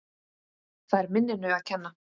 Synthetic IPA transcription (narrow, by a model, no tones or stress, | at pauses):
θaðɛɾmɪnːɪnʏaðcʰɛnːa